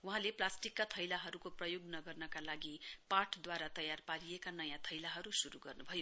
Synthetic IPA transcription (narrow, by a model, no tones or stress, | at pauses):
uɦãleplasʈikːat̪ʰʌjlaɦʌɾukoprʌjoɡnʌɡʌrnʌkalaɡiparʈʰd̪waɾat̪ʌjarpaɾijekanʌjãt̪ʰʌjlaɦʌɾusuɾuɡʌrnubʱʌjo